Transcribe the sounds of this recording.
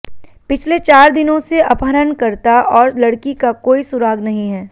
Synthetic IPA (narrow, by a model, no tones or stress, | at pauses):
pɪt͡ʃʰlet͡ʃaːɾd̪ɪnõseʔɐpəɾənkɐɾt̪aɔːɾlɐɽkikakoːisʊɾaːɡnɐɦĩɦɛː